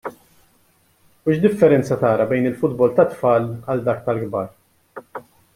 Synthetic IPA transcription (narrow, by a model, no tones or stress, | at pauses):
uʃd̪ɪfːɛɾɛnt͡sɐt̪ɐːɾɐbɛjnɪlfʊd̪bɔlt̪ɐt̪fɐːlɐld̪ɐːk̚t̪ɐlɡbɐːɾ